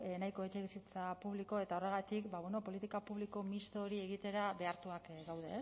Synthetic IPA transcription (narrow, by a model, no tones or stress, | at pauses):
najko̞et͡ʃe̞βisit͡sapuβ̞liko̞e̞t̪ao̞re̞ɣ̞at̪ikbaβweno̞po̞lit̪ikapuβ̞liko̞mist̪o̞ːɾie̞ɣ̞it̪e̞ɾaβe̞aɾt̪uakɡawðe̞̰s